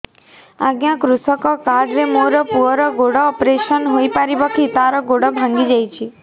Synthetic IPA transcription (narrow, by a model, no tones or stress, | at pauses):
aɡjãkɾusɔkɔkaɖɾemoɾɔpuɔɾɔɡoɽɔːpɾeʃənɦojpaɾibɔkʰit̪aɾɔɡoɽɔbʱãŋɡid͡ʒajt͡ʃʰi